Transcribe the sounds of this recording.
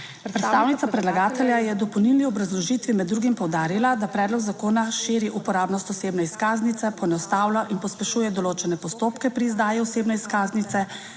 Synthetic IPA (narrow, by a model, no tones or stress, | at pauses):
pɾɛt̪st̪awnit̪sapɾɛd̪laɡaːt̪ɛljajɛd̪ɔpɔwnilniɔbɾazlɔʒit̪ʋimɛd̪ːɾuːɡimpɔwd̪aːɾilad̪apɾɛːd̪lɔɡzakoːnaʃiːɾiʔupɔɾaːbnɔst̪ɔseːbnɛiskaːznit̪ɛpɔnɔst̪aːwlaʔinpɔspɛʃuːjɛd̪ɔloːt͡ʃɛnɛpɔst̪oːpkɛpɾiːzd̪aːjiɔseːbnɛiskaːznit̪sɛ